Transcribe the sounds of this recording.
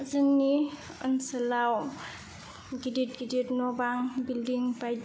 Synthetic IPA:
zənːi | ənsɐlaw | ɡidit̚ɡiditnɔbaŋbildiŋpaj

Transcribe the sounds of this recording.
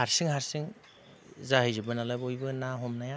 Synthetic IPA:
haɾsɯŋhaɾsɯŋ | zahɯjzɯbɯnalabojbɯnaɦɔmnaja

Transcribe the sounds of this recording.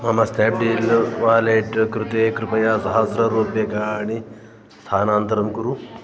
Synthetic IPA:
ɦɐmast̪eːp̚ɖiːlʋaːleʈkɾut̪ekɾupɐjazɦazɾɐɾoːbjɐkaːni | st̪ʰaːnaːnt̪ɐɾɐmkuɾu

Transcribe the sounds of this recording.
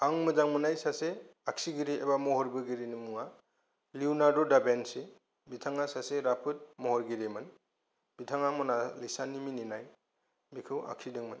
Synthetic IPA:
aŋmɯd͡ʒaŋmɯnajsaseaksiɡiɾiebamɔhɔɾbɯɡiɾinɯmuŋa | liwnadɔdabense | bitʰaŋasaseɾapʰɯt̚mɔhɔɾɡiɾemɯn | b̥itʰaŋamɔnalisanːimininaj | bikʰɯwa̰ksidɯŋmɯn

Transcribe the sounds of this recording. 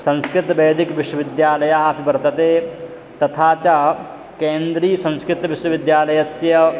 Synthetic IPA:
sɐ̃nskɾɪt̪bɐːd̪ɪkʋɪʃwɐʋɪd̪jaːlɐjaːpibɐɾt̪ɐt̪eː | t̪ɐt̪ʰaːt͡ʃa | kẽːnd̪ɾiːsɐ̃nskɾɪt̪ʋɪʃwəʋɪd̪jaːlɐjɐst̪jɐ

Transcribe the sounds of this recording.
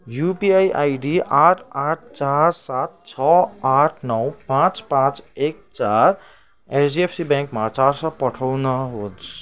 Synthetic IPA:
jupiajʔajɖiaʈʰaʈ̚ʰt͡saɾsat̪̚t͡ʃʰʌaʈʰnʌwpãt͡spãt͡sek̚t͡saɾ | esiepʰsibɛ̃ŋkmat͡saɾsʌ̃pʌʈʰʌwnʌɦot͡sʰ

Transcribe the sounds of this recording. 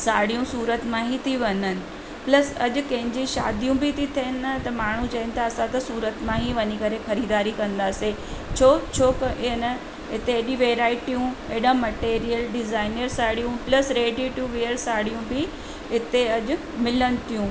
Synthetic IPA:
saːɽijũsuːɾət̪mãɦit̪ʰiʋɐnənɪ̆ | plɐsɐʄʊ̆kɐ̃ɦɪ̃ɲd͡ʑiʃa̰ːd̪ijũbɪt̪ʰit̪ʰiənɪɐt̪ɐmaːɳ̤ũt͡ɕɐɦɪnɪ̆t̪ʰaːsãt̪ɐsuːɾət̪mãɦiʋɐɲikɐɾexɐɾiːd̪aːɾikɐ̃nd̪aːse | t͡ɕʰoːt͡ɕʰoːknɐ | ɪt̪eɗĩʋeːɾaːɪʈijũeːɗãmɐʈeːɾijəlɖɪzaːɪnəɾsaːɽijũplɐsɾeːɖiʈuʋeːəɾsaːɽ̤ijũbɪ | ɪt̪eɐʄʊ̆ | mɪlənɪ̆t̪ʰijũ

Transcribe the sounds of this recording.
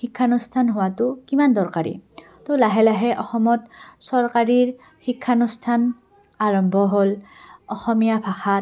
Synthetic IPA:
xikʰːanustʰanɦʊwatʊkimandɔɹkaɹḭ | tolaɦɛlaɦɛʔɔxɔmɔtsɔɹkaɹiɹ | xikʰːanustʰan | aɹɔmbʱɔɦolɔxɔmijabʱaxa

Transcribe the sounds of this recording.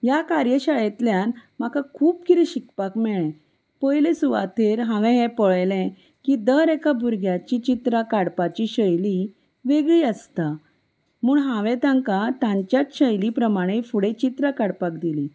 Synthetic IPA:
jakaɾjəɕajet̪ljãnm̤akakʰuːp̚kiɾiɕikpakmɛɭɛ̃ | pəjlesuʋa̰t̪eɾɦãʋɛ̃ɦɛ̃pəɭjlɛ̃ | kid̪əɾekabʱuɾɡʱjat͡ɕit͡ɕit̪ɾakaɽpat͡ɕiɕəjli | ʋeɡɭiəst̪a | muːɳɦãʋɛ̃t̪ãŋkat̪ãɲt͡ɕjat̪ɕəjlipɾəmaɽ̃efuɽet͡ɕit̪ɾakaɽpakd̪ili

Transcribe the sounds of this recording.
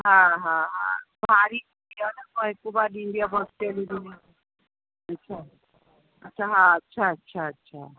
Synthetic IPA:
ɦãɦãɦã̰bʱaɾi | ijanəkəɦekubad̪iɳɖijabəsʈelid̪ini | ətːt͡ʃʰa | ətːʃʰaɦãətːʃʰaətːʃʰaətːʃʰa

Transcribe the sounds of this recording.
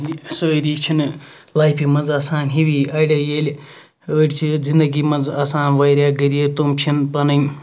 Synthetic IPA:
isəːɾiːt͡ʃʰin | laːjpʰimɐd͡zasaːnɦiʋiɐɽʲɐjeːlʲ | əːɽʲt͡ʃʰizind̪əɡimɐd͡zasaːnʋaːjɾʲjaːɡɐɾijet̪umt͡ʃʰinpɐnɐn

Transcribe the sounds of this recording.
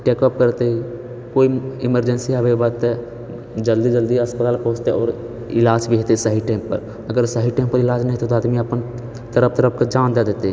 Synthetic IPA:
ʈeːkɔp̚kəɾt̪ei | koːiɪməɾd͡ʒənsiɦɐbebat̪ɛ | d͡ʒəld̪id͡ʒəld̪iəspət̪aːlpɔɦʊ̃d͡ʒt̪eɔːɾ | ɪlaːd͡ʒbʱiɦeːt̪esəɦiʈːɪmpə̰ɾ | əɡəɾsəɦiʈaːɪmpəɾɪlaːd͡ʒnɐɦĩt̪ot̪̬oaːd̪miəpən | t̪əɾəp̚ʰt̪əɾəp̚ʰkad͡ʒãːnd̪ad̪eːt̪e

